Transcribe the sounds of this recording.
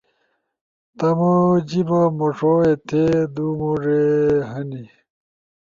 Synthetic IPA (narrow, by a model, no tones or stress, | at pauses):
t̪ɐmod͡ʑibɐmoʂoet̪ʰed̪umoʐeɦɐni